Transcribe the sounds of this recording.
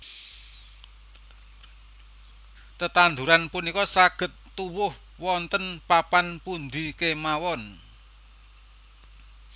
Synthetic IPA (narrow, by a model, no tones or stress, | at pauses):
t̪ət̪and̪uɾanpunikɔsaɡ̥ə̤t̪ːuwʊh | wɔnt̪ənpapanpund̪i̤kemawɔn